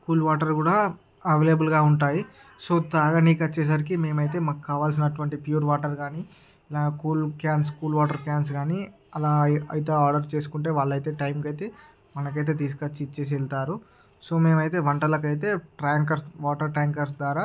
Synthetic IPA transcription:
kuːlʋaːʈɐɾkuːɽaː | ɐʋeːljɐbulɡaːuɳʈaːji | soːt̪aːɡaːniːkɐt͡ʃːeːs̬aːɾikime̞ːmɐjt̪̬e̞ːmɐkkːaːʋaːlsinɐʈuʋɐɳʈipjuːɾʋaːʈɐɾɡaːni | lakuːlkjaːnskuːlʋaːʈɐɾkjaːns̬ɡaːni | ɐlaːɐjt̪eːaːɾɖɐɾt͡ʃe̞ːs̬u̥kuɳʈe̞ːʋaːɭːɐjt̪e̞ːʈɐjmkɐjt̪e̞ː | mɐnɐkɐjt̪̬e̞ːt̪iːs̬kɐt͡ʃːit͡ʃeːs̬iɛlt̪aːɾu | so̞ːme̞ːmɐjt̪e̞ːʋɐɳʈɐlɐkɐjt̪̬e̞ːʈɾaːŋkɐɾsʋaːʈɐɾʈɾaːŋkɐɾs̬d̪ʋaːɾaː

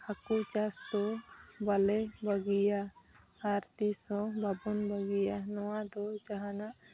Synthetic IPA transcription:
akut͡ʃasd̪ɔ | balɛbaɡijaː | ɾt̪isɔ̃babunbaɡijanɔwad̪ɔt͡ʃaɦanaʔ

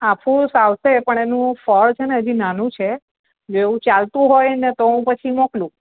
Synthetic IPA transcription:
apʰũsaʋsepəɳenũfəɭt͡ʃʰeneəd͡ʒinanũt͡ʃʰe | d͡ʒoeũt͡ʃalt̪ũɦojnet̪oɦũpət͡ʃʰimoklũ

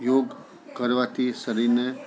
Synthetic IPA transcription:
joːɡ | kəɾʋat̪ʰisəɾine

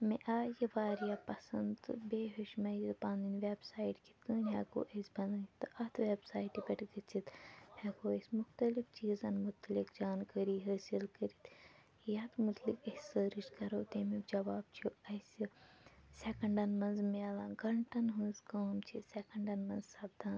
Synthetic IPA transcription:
meʔaːjiʋaːɾijaːpɐsɐnd̪beːɦuʃmɐt̪pãːnd̪inʋebsaːiʈki̥t̪kəːnʲɦeːko̰ːʔesʲbɐnd̪ɨːt̪ɨʔɐt̪ʰʋeːbsaːiʈibʲɐʈɡɐt͡ʃʰit̪hɐkoːesʲmʊxt̪ɐlift͡ʃiːzɐnmʊt̪likd͡ʒaːnkəɾiːɦɐːsilkəɾit̪ | jaːt̪mut̪likɐsəːɾiʃkɐɾoːt̪eːmikd͡ʒɐʋaːb̚t͡ʃʰuɐsisekɐɳɖɐnmɐnzmelaːɡɐɳʈɐnɦuːzkaːmt͡ʃʰisekɐɳɖɐnmɐnzsɐbd̪aːn

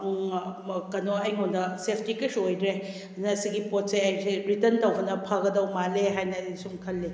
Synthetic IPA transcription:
kɐnoɐjŋonnɐsepʰtikɐsojdɾe | nɐsiɡipot̚seɐjseɾitɐntɐwbɐnɐpʰɐɡɐdɐwmaleɦajnɐisumkʰɐlːe

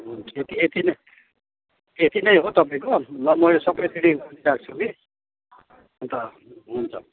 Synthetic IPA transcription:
et̪iet̪inʌ | et̪inʌjɦot̪ʌpaẽkomʌmʌjlesʌbʌjt̪ʰiɽiɾak̚t͡sʰuki | unt̪ʌ | ɦunt͡sʰʌ̰

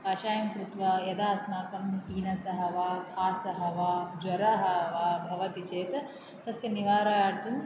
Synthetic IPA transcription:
ɐʃaːjɐmkɾut̪ʋɐjɐd̪aːsmaːkɐmiːnɐsɐɦɐʋaːkʰaːsɐɦɐʋaːd͡ʒɐɾɐɦɐɦʋaːbʱɐʋɐt̪it͡ʃeːt̪ɐ | t̪ɐsjɐniʋaːɾajaːɽt̪um

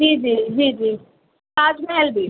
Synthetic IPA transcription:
d͡ʒiːd͡ʒiːd͡ʒiːd͡ʒiː | aːd͡ʒmɛɛld̪iː

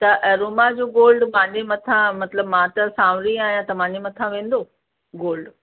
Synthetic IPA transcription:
t̪ɐʔɐɾoːmad͡ʑoːɡoːlɖmãːd͡ʑemɐt̪ʰãmɐt̪ləbmãːt̪ɐsãːʋɾiaːɦijãt̪ɐm̤ãːɲd͡ʑemɐt̪ʰãʋẽːn̆d̪o | ɡoːlɖ

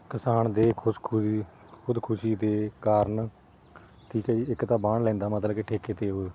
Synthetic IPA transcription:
kɪsaːnd̪eːkʰʊskʰi | kʰʊd̪kʰʊʃiːd̪eːkaːɾn | t̪ʰiːkɛːiɪkt̪ãːbaːɳlɛ̃ːnd̪aːmət̪ləbkeːʈʰeːkeːt̪eːɦoː

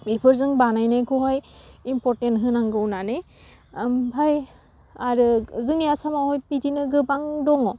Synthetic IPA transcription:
bepʰɔɹzɯŋbanajnajkʰɔɦɔjimpɔɹtentɦɯnaŋɡɯwnanej | bʱaj | aɾɯzɯŋijasamahɔjpitinɯɡɯbaŋdɔŋɔ

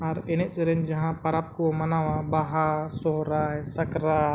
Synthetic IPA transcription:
aːɾenet͡ʃɾẽnd͡ʒɐɦãpɐɾap̚komɐnaːʋabaɦasoɦɾasɐkɾa

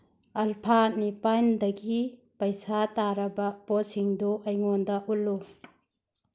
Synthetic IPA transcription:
ɐlpʰanipandɐɡi | pɐjsataɾɐbɐposiŋdoʔɐjŋondɐʔulːu

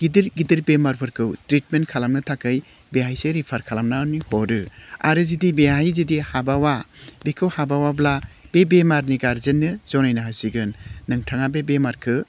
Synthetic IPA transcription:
ɡ̥idiɾɡidiɾbemaɾpʰɯɾkʰɯwtɾit̚menkʰalamnɯtʰakɯj | beɦajseɾipʰaɾkʰalamnaɯnihɔɾɯa̰ɾɯzidibeɦajzidihabawabekʰɯwhabawablab̥ebemaɾniɡaɾzenːɯzɔnajnaɦasiɡɯnːɯŋtʰaŋabebemaɾkʰɯ

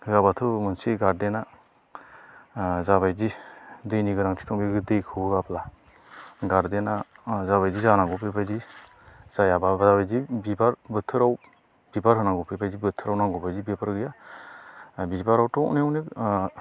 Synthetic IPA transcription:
ɡabatʰɯmɯnsiɡaɾdena | zabajdidɯjniɡɯɾaŋtʰi̥tʰɔŋbiɡɯdɯjkʰɯɡapla | ɡaɾdenazaβajdizanaŋɡɔpʰebajdi | z̥ajababazabajdibibaɾbɯtʰːɯɾaw | b̥ibaɾɦɯnaŋɡɔpʰebajdibɯtʰːɯɾawnaŋɡɔbajdibipaɾɡɯja | bizibaɾawtɔnewnek

